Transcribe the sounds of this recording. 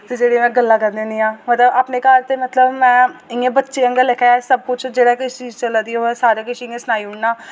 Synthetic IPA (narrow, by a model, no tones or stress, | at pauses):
t̪ed͡ʒeːɽemɛ̃ːɡəlːaːkəɾd̪eːnĩːãːmət̪ləbaːpneːkəɾt̪eːmət̪ləbmɛ̃ːɪŋẽːbətːʃeːəŋɡəlekʰaasəb̚kʊt͡ʃd͡ʒeːɽakɪʃt͡ʃiːd͡ʒt͡ʃəlaːd̪iːoɛːsaːɾeːkɪʃiːɪẽːsʊnaːiʊɳnaː